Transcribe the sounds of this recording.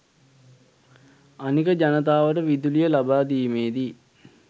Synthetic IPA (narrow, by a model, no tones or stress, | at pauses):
anikəd͡ʒanət̪̬aːʋəʈəʋid̪ulijəlabaːd̪iːmeːd̪i